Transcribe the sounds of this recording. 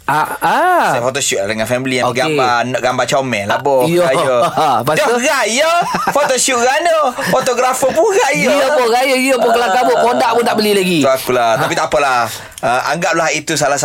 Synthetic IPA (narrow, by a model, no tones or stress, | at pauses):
aasafot̪oʃuʔdəŋãnfɛmiliaɡambanɔʔɡambat͡ʃaumɛ̃labɔɔajəpadɔɣajəfot̪oʃuʔɣanəfot̪oɡɾafəpuɣajopɔɣajəjəpʊkəlakaboʔpodaʔpudaʔbəlilaɡiuakulat̪apit̪apəlah | əa̰ŋɡaʔ̚laɦit̪us̬alahs